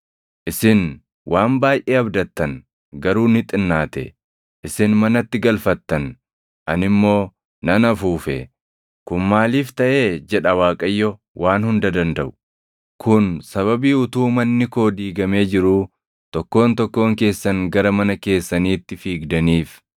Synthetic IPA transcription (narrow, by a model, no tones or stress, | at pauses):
ʔɪsɪn | wʔaːnbaːjʔeːɐbd̪ɐt̪ːɐn | ɡɐɾuːnɪt̪ʼɪnːaːt̪ɛ̰ | ʔɪsɪnmɐnɐt̪ːɪɡɐlfɐt̪ːɐn | ʔɐnɪmːo̞ː | nɐnɐfuːfɛ̰ | kʊnmaːliːft̪ɐʔe̞ːd͡ʒɛᶑɐwaːkʼɐjːɔ | wʔaːnhʊnd̪ɐd̪ɐnd̪ɐʔʊ̥ | kʰʊnsɐβɐbiːʊt̪uːmɐnːɪko̞ːd̪iːɡɐme̞ːd͡ʒɪɾuː | t̪ɔkːo̞ːnt̪ɔkːo̞ːŋke̞ːsːɐŋɡɐɾɐmɐnɐke̞ːsːɐniːt̪ːɪfiːɡd̪ɐniːf